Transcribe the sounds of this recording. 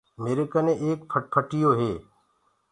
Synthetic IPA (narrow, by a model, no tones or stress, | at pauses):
meːɾekənẽːʔeːk̚pʰəʈ̚pʰəʈɪjoːɦeː